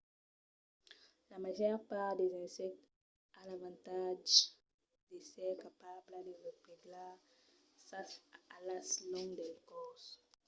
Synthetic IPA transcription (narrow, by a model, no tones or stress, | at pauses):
lamaʒœʁpaʁd̪ezɛ̃sɛk̚t̪ | alavɑ̃nt̪aʒ | d̪esɛkapabləd̪eʁepeɡla | saalaslɔ̃ŋd̪ɛlkɔs